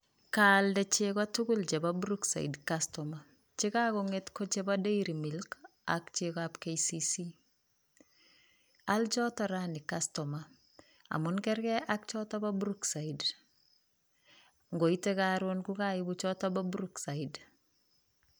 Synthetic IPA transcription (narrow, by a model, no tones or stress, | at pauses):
kaldɛt͡ʃekatuɡʊlt͡ʃɛbabuɾuksa̰ḭdkastɔma | t͡ʃɪkakoŋetkɔt͡ʃebadeiɾimilk | a̰kt͡ʃekapkejsisi | alt͡ʃɔtɔɾanikastɔma | a̰mʊnkɛrkɛʔak̚t͡ʃɔtɔbabuɾuksaid | ŋɡoitekaɾonkukaibut͡ʃɔtɔbabuɾuksaid